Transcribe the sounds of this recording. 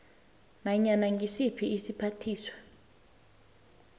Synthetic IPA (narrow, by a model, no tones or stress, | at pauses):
naɲanaŋɡʱisipʰiːsipʰatʰiːswḁ